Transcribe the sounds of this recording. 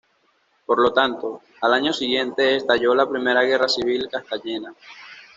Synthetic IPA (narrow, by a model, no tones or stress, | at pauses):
po̞ɾlo̞t̪ant̪o̞ | alaɲo̞siɣje̞nt̪e̞ːst̪aʝo̞lapɾime̞ɾaɣe̞rasiβ̞ilkast̪aɲe̞na